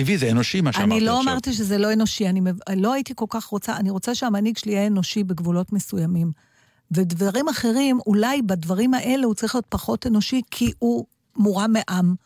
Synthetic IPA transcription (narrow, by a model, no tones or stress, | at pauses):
tivizeenoʃimaʃanilo̞amaʁtiʃ̬ezelo̞eno̞ʃianimelo̞aitiko̞lkaχʁo̞t͡saaniʁo̞t͡saʃeamaniɡʃliaeno̞ʃibeɡvulo̞tmesujamim | vedvaʁimaχe̞ʁimulajbadvaʁimaʔe̞le̞hut͡saʁiχlijo̞t̚paχo̞te̞no̞ʃikʰiʔu | muʁameʔam